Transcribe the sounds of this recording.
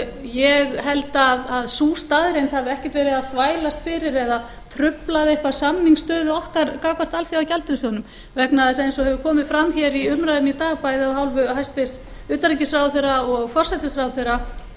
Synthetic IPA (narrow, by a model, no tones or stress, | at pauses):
jɛɣɦɛlt̪aðaðsuːst̪aðɾejnt̪havɪɛhcɛ̥t̪vɛːɾɪðaðθvaːjlast̪fɪɾɪɾɛða | t̪ʰɾʏplaðɪehkvḁsamniŋst̪œːðʏɔhkaɾkaːwkvar̥t̪alθiawcalt̪ʏɾsɔnʏm | vɛknaðɪsɛejnsɔhɛvʏkʰɔːmɪðfɾamːçɛɾiʏmɾaðʏmit̪aːɣpajðɪɔɦawlvʏhajst̪vɪs | ʏːt̪aɾicɪsɾawθerːaɔɣfɔr̥sɛt̪ɪsɾawθerːa